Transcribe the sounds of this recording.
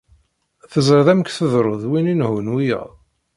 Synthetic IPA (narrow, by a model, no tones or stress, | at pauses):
θəzəɾðæməkθəðɾˤoðwininhunwijə̰ðˤ